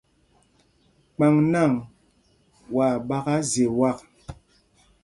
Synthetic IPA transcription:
k͡pa˨ŋna˦˨ŋ | wa˨ɓa˦ka˦ze˨wa˦˨k̚

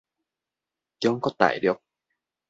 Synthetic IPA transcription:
t͡ɕə˧˦ŋ͡mkɔ˨˦t̪a̰ː˧˩jɗɨ˨˩ək̚

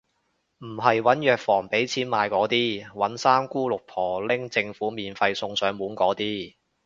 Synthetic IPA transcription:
m̩˨˩ɦɐ˨jwɐ˨˥njœː˨k̚fɔː˨˩ŋpe˨˥jt͡sʰiː˨˥nmaː˨˧jkɔː˨˥t̪iː˥wɐ˨˥nsaː˥mkuː˥lʊ˨k̚pʰɔː˨˩lɪ˥ŋt͡sɪ˧ŋfuː˨˥miː˨nfɐ˧jsʊ˧ŋsœː˨˥ŋmuː˨˥nkɔː˨˥t̪iː˥

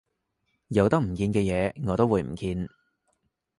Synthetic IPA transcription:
jɐ˨˧wt̪ɐ˥k̚m̩˨˩kiː˧nkɛː˧jɛː˨˧ŋɔː˨˧t̪o˥wːuː˨˧jm̩˨˩kiː˧n

